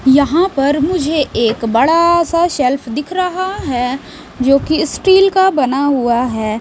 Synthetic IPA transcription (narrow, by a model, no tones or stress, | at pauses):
jɐɦãpɐɾmʊd͡ʒʱeʔeːkbɐɽasaʃɛlpʰd̪ɪkʰɾɐɦaɦɛː | d͡ʒoːkisʈiːlkabɐnaɦʊaɦɛː